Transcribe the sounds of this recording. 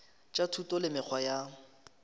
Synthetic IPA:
t͡ʃʼatʰutʼɔlɪmɪk͡xʰwaja

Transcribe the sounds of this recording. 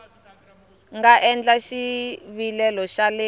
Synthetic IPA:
ŋɡaʔɛnd͡ɮaʃiβilɛlɔʃale

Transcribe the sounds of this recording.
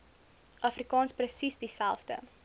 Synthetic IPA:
ʔɐfrikɑːnsprəsisdisælˠfdə̰

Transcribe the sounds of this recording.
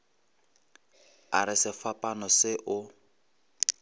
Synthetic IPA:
aɾɪsɪfapʼanɔsɪʔʊ

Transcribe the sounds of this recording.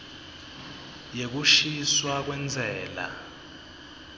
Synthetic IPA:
jek̬uʃiswak̬wɛnd͡zʱɛːla̰

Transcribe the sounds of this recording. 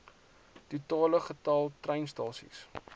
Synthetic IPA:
tutɑːləχətɑlˠtrɛjnstɑːsḭs

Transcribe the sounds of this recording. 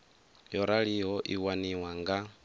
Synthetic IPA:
jɔɾaɺiɦɔʔiwaniwaŋɡa

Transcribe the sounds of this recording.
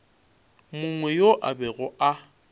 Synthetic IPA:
mʊŋwɛjoʔa̰bɛɣʊa

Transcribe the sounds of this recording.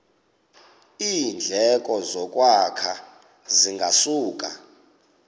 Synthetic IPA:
iːnd͡ɮʱɛk̬ʼɔzɔk̬ʼwakʰa | ziŋɡʱasuːk̬ʼa̰

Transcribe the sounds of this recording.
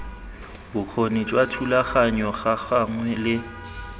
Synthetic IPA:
bʊk͡xʰonit͡ʃʼwatʰulaχaɲɔχaχaŋwɛlɪ

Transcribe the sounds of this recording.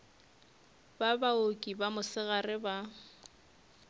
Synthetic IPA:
babaokʼibamʊsɪɣarɪba

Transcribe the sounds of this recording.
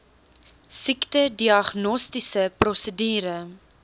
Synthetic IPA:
siktədiɑχnɔstisəprɔsədiːɾə

